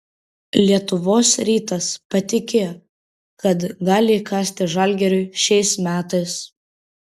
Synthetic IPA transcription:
lʲiɛt̪ʊʋoːsɾʲiːt̪ɐspɐt̪ʲɪkʲe | kɐt̪ɡɑːlʲɪiːkɑːsʲt̪ʲɪʒɐˑlʲˑɡʲɛɾʲʊɪʃʲɛɪsmʲæːt̪ɐɪs

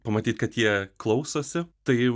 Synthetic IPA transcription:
pɐmɐt̪ʲiːt̪kɐt̪jiɛklˠɐʊsoːsʲɪt̪ɐɪ

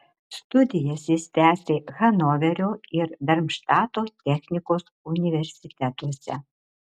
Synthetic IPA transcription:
st̪ud̪ʲɪjasʲisʲt̪ʲæːsʲixɐnovʲeɾʲuird̪ɐrmʃt̪at̪ot̪ʲɛxnʲikos | unʲivʲerʲsʲit̪ʲɛt̪usʲɛ̰

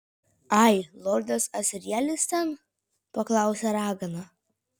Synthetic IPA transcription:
ɐɪlˠɔɾʲd̪ʲɐsɐsʲɪɾʲiɛlʲɪsʲt̪ʲɛn | pɐklˠɑˑʊsʲɛɾɑːɡɐnɐ

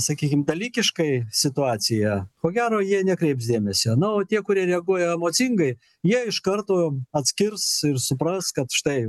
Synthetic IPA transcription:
sɐkʲiːkʲɪmd̪ɐlʲiːkʲɪʃkɐɪsʲɪt̪ʊɑːt͡s̪ʲɪjɛkoːɡʲæːɾoːjiɛnʲɛkɾʲɛɪpsd̪ʲeːmʲɛsʲonʊoːt̪ʲiɛkʊɾʲiɛɾʲɛɐɡuɔjɛɛmoːt͡s̪ʲɪŋɡɐɪ | jiɛɪʃkɐrt̪oːɐt̪ʲsʲkʲɪrsɪrsʊpɾɐskɐt̪ʃʲɪ̥t̪ɐɪ

